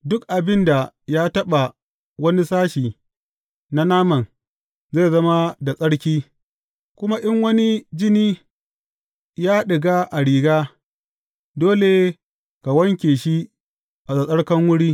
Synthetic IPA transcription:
dʊ˦kʔa˨bɪ˦nda˨jaː˦tɐ˦ɓa˨ | wɐ˦ni˦saː˦ʃiː˨ | na˦naː˦mɐ˨n | ze˦˨zɐ˦ma˦da˨sʼɐ˦ɽkʲiː˦ | kʷʊ˦ma˦ʔɪ˦ŋwɐ˦ni˦d͡ʒɪ˦niː˦ | jaː˦ɗɪ˨ɡaː˦ʔa˨ɽiː˨ɡaː˦ | doː˦le˨ | ka˨wɐ˦ŋkʲeː˨ʃi˦ | ʔa˨sa˨sʼɐ˦ɽkɐ˦ŋwʊ˦ɽiː˦

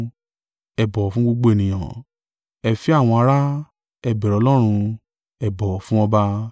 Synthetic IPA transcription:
ɛ˨bɔ˨fũ˦ɡ͡bo˧ɡ͡bo˦e˦˨nĩ˨j̃ã˨ | ɛ˦˨fi˦a˦˨w̃ɔ̃˧a˧ɾa˦ | ɛ˦˨bɛ˨ɾɔ˨˧˦lɔ˦ɾ̃ũ˧ | ɛ˨bɔ˨fũ˦ɔ˧ba˧

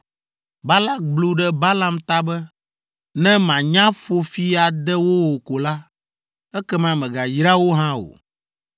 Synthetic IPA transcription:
ba˦la˦k̚blu˦ɖɛ˦ba˦la˦mt̪a˦bɛ˦ | nɛ̃˦mã˨ɲã˦ɸo˨fi˦a˨d̪ɛ˦wo˦wo˨ko˨la˦ | ɛ˦kɛ˦mã˨mɛ̃˨ɡa˨jɾa˦wo˦ɦã˦o̰˨

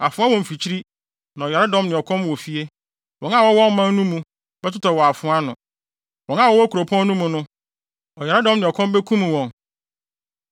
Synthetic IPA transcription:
a˨fʊ̃˦a˦wɔ̃˨m̩˨fi˨t͡ɕʰi˦ɾi˦ | nã˨ɔ˨jɛ˨ɾa˦dɔ̃˦mnɪ̃˨ɔ˨kʰɔ̃˦mwɔ˨fi˦e˦ | wɔ̃˨nã˦˨wɔ˦wɔ̃˦m̩˦mã˦n˦nũ˦mũ˨ | b̥ɛ˦tʊ˦tʰɔ˨wɔ˨a˨fʊ̃˦a˦nʊ̃˨ | wɔ̃˨nã˦˨wɔ˦wɔ˦kʰu˨ɾo˨pʰɔ̃˦n˦nũ˦mũ˨nʊ̃˦ | ɔ˨ja˨ɾa˦dɔ̃˦mnɪ̃˨ɔ˨kʰɔ̃˦mbɛ˦kʰũ˦m̃˨wɔ̃˨n

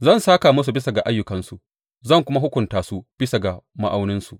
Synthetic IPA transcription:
zɐ˦˨nsaː˦ka˨mɐ˦s̬u˨bɪ˦sa˨ɡa˨ʔa˦jːʊ˨kɐ˨nsu˨ʔ | zɐ˦˨ŋkʷʊ˦ma˦ɦʊ˦kʷʊ˨ntaː˨su˦b̥ɪ˦sa˨ɡa˨ma̰˦ʔa˦wnɪ˦nsu˨

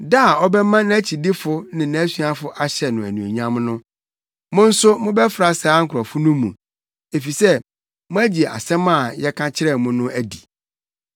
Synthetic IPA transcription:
da˦˨ɔ˦bɛ˦mã˦ñ˦æ˦t͡ɕʰi˨dɪ˦fʊ˦nɪ̃˨nã˨˦sɥa˦fʊ˦ʔa˦ɕɛ˨nʊ̃˨æ̰˨nũ˨ḛ˨ɲã˦mnʊ̃˦ | mʊ̃˦n̩˦sʊ˦mʊ̃˦bɛ˦fɾa˨saː˨˦ŋ̩˦˨kʰɔ˨fʊ˦nũ˦mːṵ̃˨ | e˨fi˨sɛ˦ | mʊ̃˦æ˦d͡ʑi˨e˨a̰˨sɛ̃˦mã˦˨jɛ˦kʰã˦t͡ɕʰɪ˦ɾɛ˦˨mʊ̃˦nʊ̃˦æ˦di˨

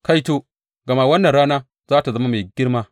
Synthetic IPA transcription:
ka˦jto˦ | ɡɐ˨ma˦wɐ˦nːɐ˨ɾaː˦naː˦ | zaː˦ta˨zɐ˦ma˦ma˨ɡʲɪ˦ɾma˦

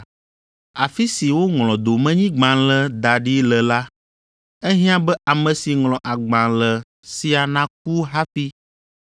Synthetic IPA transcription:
a˨fi˦si˨wo˦ŋlɔ̃˨d̪o˨mɛ̃˦ɲĩ˦ɡ͡bã˨lɛ˦d̪a˨ɖi˦lɛ˨la˦ | ɛ˦ɦĩ˦ã˦bɛ˦ʔa˨mɛ̃˨si˨ŋlɔ̃˨ʔa˨ɡ͡bã˨lɛ˨ | si˦a˨nã˦k̚u˦ɦa˦fi˦

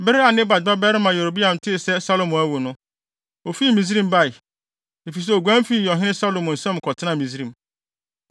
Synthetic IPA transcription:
bɛ˦ɾɪ˦a˨nɪ̃˦ba˨d̚ba˦bɛ˦ɾɪ˦mã˨jɛ˨ɾo˨bi˦ã˨mtʰɪ˦˨sɛ˦sa˦lo˨mɔ̃˨æ˦wo˨nʊ̃˦ | o˨fi˦˨mĩ˨s̬ɾĩ˦m˦ba˦˨ɪ˨ | e˨fi˨s̬ɛ˦o˨ɡʷæ̃˦m˦fi˦˨jɔ˨ɦɪ̃˦ɪ̃˦sa˦lo˨mʊ̃˨n̩˨sɛ̃˦m˨kʰɔ˨tʰɪ˦ã˦˨mĩ˨si˦ɾĩ˨m

